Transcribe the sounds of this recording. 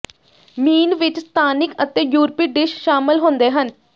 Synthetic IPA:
miːnʋɪt͡ʃst̪ʰaːnɪkət̪ẽːjuːɾpiːɖɪʃʃaːmɪlɦõːnd̪eːɦən

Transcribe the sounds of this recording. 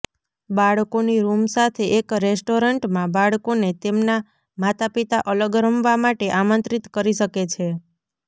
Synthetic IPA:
baɭkoniɾumsat̪ʰeʔekɾesʈoɾəɳʈmãbaɭkonet̪emna | mat̪ʰapit̪aʔələɡɾəmʋamaʈeʔamə̃nt̪ɾit̪kəɾiʃəket͡ʃʰe

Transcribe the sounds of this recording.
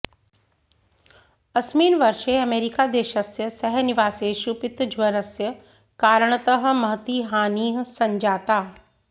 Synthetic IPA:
ɐsmiːnʋɐɾʃeɐmeːɾikad̪eːʃɐsjəsɐɦnɪʋaːseːʃupɪt̪d͡ʒʱʋɐɾəsjə | kaːɾəɽ̃ət̪əɦ̆mɐɦt̪iːɦaːniːɦsɐ̃ɲd͡ʒaːt̪aː

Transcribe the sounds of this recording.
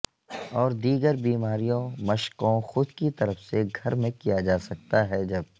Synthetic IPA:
ɔːɾd̪iːɡəɾbiːmaːɾijõmɐʃqõxʊd̪kit̪ɐɾəfseɡʱɐɾmẽkijad͡ʒaːsɐk̚t̪aɦɛd͡ʒɐb

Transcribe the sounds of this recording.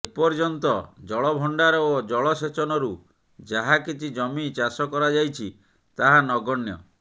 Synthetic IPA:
epɔɾd͡ʒɔnt̪ɔd͡ʒɔɭɔbʱɔɳɖaɾɔod͡ʒɔɭɔset͡ʃɔnɔɾu | d͡ʒaɦakit͡ʃʰid͡ʒɔmit͡ʃasɔkɔɾad͡ʒajt͡ʃʰi | t̪aɦanɔɡɔɳjɔ̰

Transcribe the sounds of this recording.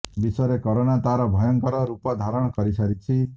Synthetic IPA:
bisɔɾekɔɾoɽ̃at̪aɾɔbʱɔjɔŋkɔɾɔɾupɔd̪ʱaɾɔɽ̃ɔkɔɾisaɾit͡ʃʰi

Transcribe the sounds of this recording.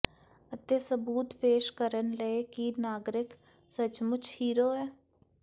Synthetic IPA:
ət̪esəbuːt̪peːʃkəɾənleekinaːɡɾɪk | sət͡ʃmʊt͡ʃʰhiːɾoːɦɛː

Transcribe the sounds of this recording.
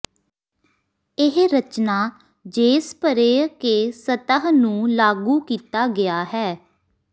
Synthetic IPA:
ɪɦɾət͡ʃnaː | d͡ʒeːspəɾeːkeːsət̪əɦnũːlaːɡuːkiːt̪aːɡɪaːɦɛː

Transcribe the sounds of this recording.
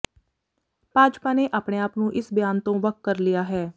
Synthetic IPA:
b̥ʱaːd͡ʒpaːneːʔaːpɳeːaːpnũːʔɪsbjaːnt̪õːʋək̚kəɾlijaːɦɛː

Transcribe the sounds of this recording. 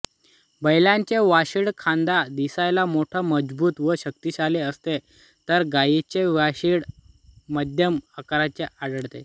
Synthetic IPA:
bəjljãɲt͡ɕeʋaɕiːɽkʰãnd̪ad̪isajlamoʈʰəməd͡zbuːt̪ʋəɕəkt̪iɕaleəst̪e | t̪əɾɡajit͡ɕeʋaɕiɽ | məd̪ʱjəmakaɾat͡ɕeʔaɽəɽt̪e

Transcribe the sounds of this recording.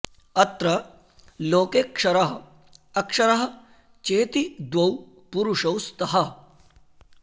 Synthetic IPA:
ɐt̪ɾɐ | loːkeːkʂɐɾɐɦɐ | ɐkʂɐɾɐɦɐ̆ | t͡ʃeːt̪id̪wɐw | puɾuʂɐwst̪ɐɦɐ

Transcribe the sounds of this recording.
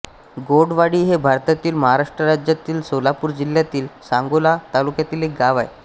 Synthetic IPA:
ɡoɽʋaɽiːɦebʱaɾt̪at̪iːlməɦaɾaʂʈɾəɾad͡ʑjat̪iːlsolapuːɾd͡ʑiljat̪iːlsãŋɡolat̪alukjat̪iːlek̚ɡaʋaj

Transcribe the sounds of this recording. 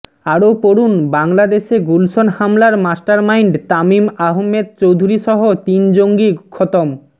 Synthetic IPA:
aɾopoɾunbaŋlad̪eʃeɡulsonhamlaɾmasʈaɾmaiɳɖt̪amimaɦomːed̪̚t͡ɕowd̪ʱuɾiʃɔɦot̪ind͡ʑoŋɡikʰɔt̪om

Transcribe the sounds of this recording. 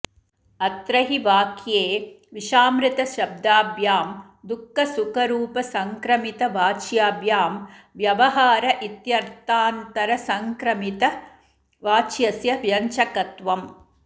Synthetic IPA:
ɐt̪ɾɐɦiʋaːkʰjeː | ʋiʃaːmɾit̪ɐʃɐb̚d̪aːbjaːm | d̪ukːɐsukɐɾuːpɐsɐŋkɾɐmit̪ɐʋaːt͡ʃjaːbjaːm | ʋjɐʋɐɦaːɾɐʔit̪jɐɾt̪aːnt̪ɐɾɐsɐŋkɾɐmit̪ɐ | ʋaːt͡ʃjɐsjɐʋjɐɲt͡ʃɐkɐt̪ʋɐm

